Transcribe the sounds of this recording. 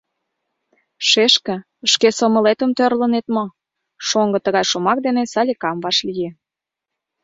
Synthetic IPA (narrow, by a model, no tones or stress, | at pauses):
ʃeʃkə̆ | əʃkesomə̆let̪ə̆mt̪ørlənet̪mo | ʃoŋɡɤ̆t̪əɣɑjʃomɑk̚d̪enesɑlʲikɑmβɑʃlije